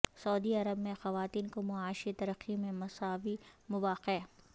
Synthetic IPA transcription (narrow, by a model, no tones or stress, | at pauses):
sɐːd̪iɐɾəbmẽxɐʋaːt̪iːnkomʊaːʃit̪ɐɾəqːimẽmɐsaːʋimʊʋaːqe